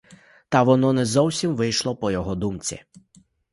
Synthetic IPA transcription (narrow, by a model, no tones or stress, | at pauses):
t̪ɐʋɔnɔnɛzɔwsʲimʋɪjʃlˠɔpɔjɔɦɔd̪umt͡sʲḭ